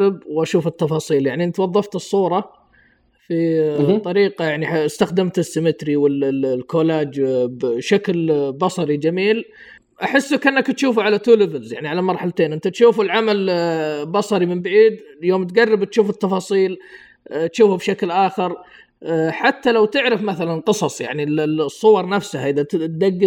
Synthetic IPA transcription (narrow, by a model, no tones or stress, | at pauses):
ɪbwʔaʃuːfɪt̪ːɑfɑːsˤiːljaʕniʔɪnt̪awɑðˤːɑft̪ɨsˤːuːɾˤɑ | fit̪ˤːɑɾiːqɑjaʕniħast̪axd̪ɪmt̪ɪsːɪmɪt̪ɾiwɪllkolaːd͡ʒbʃaklbɑsˤɑɾid͡ʒamiːl | ʔaħɪsːakʔɪnːakt̪ʃuːfʕalat̪ulɪvɪlzjaʕniʕalamɑɾˤħalt̪eːnʔɪnt̪at̪ʃuːfɪlʕamalbɑsˤɑɾimɪmbaʕiːd̪ljoːmt̪ɡarːɪbt̪ʃuːfɪt̪ːɑfɑːsˤiːl | t̪ʃuːfubʃaklʔaːxɪɾ | ħat̪ːalawt̪ɪʕɾɪfmaθalanqɨsˤɑsˤja̰ʕnisˤːʊwɑɾˤnafsahaʔɪðat̪d̪aɡːɪ